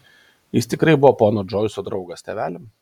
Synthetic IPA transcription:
jɪst̪ʲɪkɾɐɪbʊʋoːpoːnoːd͡ʒɔɪsoːd̪ɾɒʊɡɐst̪ʲɛʋʲæːlʲɛm

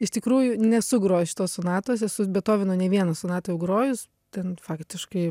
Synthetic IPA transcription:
ɪʃt̪ʲɪkɾuːjʊnʲɛsʊɡɾoːʃʲɪ̥t̪oːssʊnɑːt̪oːsʲɛsʊbʲɛt̪oːʋʲɪnoːnʲɛʋʲiɛnɐsʊnɑːt̪ɐjɛʊɡɾoːjʊs | t̪ʲɛnfɑːkt̪ʲɪʃkɐɪ

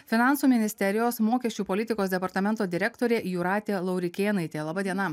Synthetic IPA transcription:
fʲɪnɑˑnsuːmʲɪnʲɪsʲt̪ʲɛɾʲɪjoːsmoːkʲɛʃʲt͡ʃʲuːpɔlʲɪt̪ʲɪkoːsd̪ʲɛpɐɾt̪ɐmʲɛnt̪oːd̪ʲɪɾʲɛkt̪oːɾʲeːjʊɾɑːt̪ʲeːlˠɐʊɾʲɪkʲeːnɐɪt̪ʲeːlˠɑːbɐd̪ʲiɛnɐ

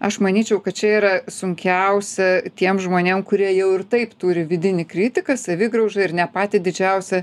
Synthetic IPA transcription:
ɐʃmɐnʲiːt͡ʃʲɛʊkɐt̪t͡ʃʲɛiːɾɐsʊŋʲkʲɛʊsʲɛt̪ʲiɛmʒmoːnʲeːmkʊɾʲiɛjɛʊɪrt̪ɐɪpt̪uːɾʲɪʋʲɪd̪ʲɪnʲɪkɾʲɪt̪ʲɪkɐsɐʋʲɪɡɾɐʊʒɐɪɾnʲɛpɑːt̪ʲɪd̪ʲɪd͡ʒʲɛʊsʲɛ

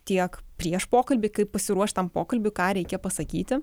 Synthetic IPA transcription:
t̪ʲiɛkpʲɾʲiɛʃpoːkɐlʲbʲɪːkɐɪppɐsʲɪɾuɔʃʲt̪ɐmpoːkɐlʲbʲʊkɑːɾʲɛɪkʲeːpɐsɐkʲiːt̪ʲɪ

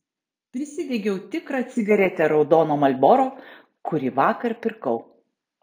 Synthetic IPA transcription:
pʲɾʲɪsʲɪd̪ʲɛɡʲɛʊt̪ʲɪkɾɑt̪sʲɪɡɐɾʲɛt̪ʲɛɾɒʊd̪ɔːnoːmɐlʲbɔːɾoː | kʊɾʲiʋɑːkɐɾpʲɪɾkɐʊ

